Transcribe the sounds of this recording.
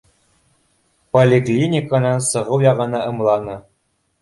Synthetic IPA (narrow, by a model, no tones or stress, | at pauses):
polʲɪklʲinʲɪkanɑnsɤ̆ʁɤwjɑʁɤ̆nɑʔɤ̆mlˠɑnɤ